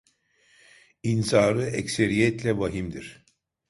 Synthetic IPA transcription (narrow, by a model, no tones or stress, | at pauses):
insaːɾɯɛcseɾijɛt̪lʲɛvaɦimd̪iɾ̥